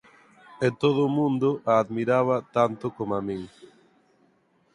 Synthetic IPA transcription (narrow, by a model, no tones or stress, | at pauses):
et̪oð̞ʊmũnd̪ʊʔaːðmiɾaβ̞at̪ant̪ʊkomamĩŋ